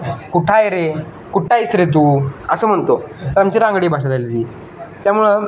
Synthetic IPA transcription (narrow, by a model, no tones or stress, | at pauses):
kuʈʰajɾe | kuʈʰaisɾet̪̬uːəsəːm̤əɳt̪ot̪əɾamt͡ɕiːɾãŋɡɽiːbʱaʂ̬ad͡z̪alit̪iː | t̪jamuɭə